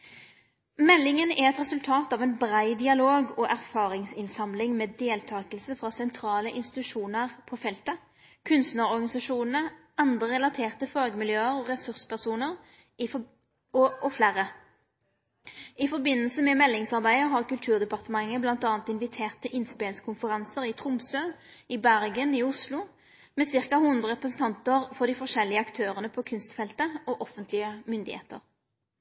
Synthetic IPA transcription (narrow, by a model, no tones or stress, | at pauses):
mɛlːɪŋənɛɛt̪ʁɛsʉlt̪ʰɑːt̪ɑːʋɛnbʁæɪd̪ɪɑloːɡɔʔæʁfɑːʁɪŋsɪnsɑmlɪŋmeːd̪eːlt̪ʰɑːkəlsəfʁɑːsɛnt̪ʰʁɑːləʔɪnst̪ɪ̥t̪ʉʂuːnəʁpʰɔːfɛlt̪ə | kʰʉnst̪nəʁɔʁɡɑnɪsɑʂuːnn̩ə | ɑnd̪əʁɛlɑt̪ʰeːʁt̪əfʁɑːɡəmɪljøːəʁɔʁɛsʉʁspæʁsuːnəʁ | ɔflæːɾə | ɪfɔʁbɪnːəlsəmɛmɛlːɪŋsɑʁbæɪəɦɑʁkʉlt̪ʰʉːʁd̪ɛpɑʁt̪əmɑŋːəblɑnt̪ɑːnt̪ɪnʋɪt̪ʰeːʁt̪əʔɪnspeːlŋskʰʊnfəʁɑnsəʁɪt̪ʰʁʊmsøːɪbæʁɡəniʊslʊ | mɛsɪʁkɑhʊnd̪ʁəʁɛpʁəsn̩t̪ɑnt̪əʁfɔʁd̪iːfɔʁʂɛlːɪəɑkt̪ʰøːʁənəpʰɔkʰʉnst̪fɛlt̪əɔʔɔfənt̪ʰlɪəmʏnd̪ɪ̰hḛːt̪ə̰ʁ